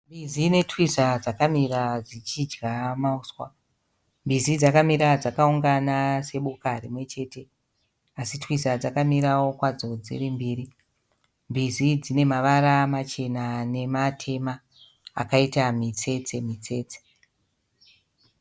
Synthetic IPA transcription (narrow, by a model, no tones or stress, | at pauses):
mbizine̞twisad͡zakamirad͡zit͡ʃid͡ʒɡamauːswa̰ | mbizid͡zakamiɾad͡zakauŋɡanase̞ɓukarimwe̞t͡ʃe̞te̞ | asitwisad͡zakamiɾawo̞kwad͡zo̞d͡zḭɾimbiːɾi | mbizid͡zine̞maʋaɾamat͡ʃe̞nane̞matʰe̞ma̰ː | kaitamit͡se̞t͡se̞mit͡se̞ːt͡se̥